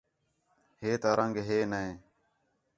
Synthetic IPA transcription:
heːt̪aːɾʔəŋɡɦeːnəẽː

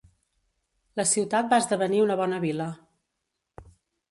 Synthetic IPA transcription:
ləsiwt̪at̪̚baəzd̪əβəniunəβ̞ɔnəβilə

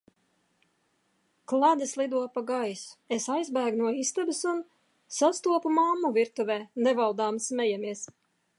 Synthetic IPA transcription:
klˠad̪islˠid̪uɔpaɡajsesajzbæːɡnuɔist̪abisun | sast̪uɔpumamːuviɾt̪uvʲɛːnɛvalˠd̪aːmsmʲɛjamiɛs

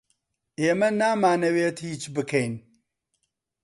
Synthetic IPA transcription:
ʔeːmɐnaːmaːnɐweːt̪hiːt͡ʃbɨkʰɛjn

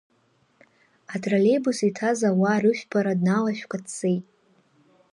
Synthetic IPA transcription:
atʼrale̞jbusitʰazawaɾɨʃʷᶣpʰaɾadnalaʃᶣkʷatt͡sejtʼ

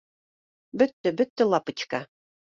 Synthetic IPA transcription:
bɵt̪ːɘ̆bɵt̪ːɘ̆lˠɑpɤ̆t͡ɕka

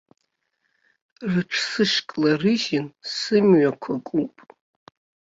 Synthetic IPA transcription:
rɨʈ͡ʂʷʰsɨʂkʼlarɨʒɪnsɨmɥakʷʰakʷʼupʼ

